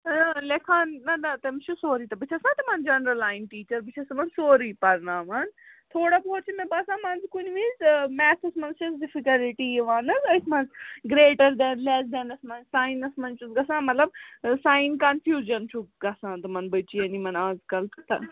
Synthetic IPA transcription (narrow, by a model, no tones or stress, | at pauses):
lekʰaːnːɐnɐt̪ɐmt͡ʃʰusoːɾiːt̪ɐbit͡ʃʰɐsãːt̪ɐmɐnd͡ʒɐnɾɐlaːɪnʈiːt͡ʃɐɾbit͡ʃʰɐsɐmɐnsoːɾipɐɾnãːʋɐnt̪ʰoːɽapoːt͡ʃʰimẽbɐsãːmɐnzkʊnʋizmɛːsɐsmɐnsɐsɖɪfikɐlʈiʋaːnɐzɐɪsmɐnzɡɾeːʈɐɾd̪ɛːnlɛsd̪ɛnɐsmɐnsaːɪ̃nɐsmɐnt͡ʃusɡɐsãmɐt̪lɐb̚saːɪnkɐnfʰjuːd͡ʒɐnt͡ʃʰuɡɐsãːt̪ɐmɐnbɐt͡ʃiɐnimɐnaːzkɐlt̪t̪ɐ̰